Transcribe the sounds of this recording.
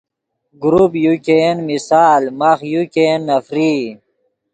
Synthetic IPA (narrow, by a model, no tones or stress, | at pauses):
ɡɾupjukenmisaːlmɐxjukenːɐfɾiː